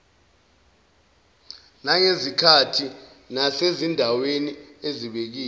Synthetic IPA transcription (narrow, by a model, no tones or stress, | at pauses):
naŋezikʰatʰi | nasezindʱawenieziɓek̬iː